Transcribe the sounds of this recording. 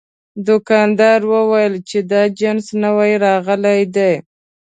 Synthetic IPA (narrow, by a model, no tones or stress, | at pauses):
d̪ʊkɑnd̪ɑɾwəwajəlt͡ʃed̪ɑd͡ʒansnəwajɾɑɣəlajd̪e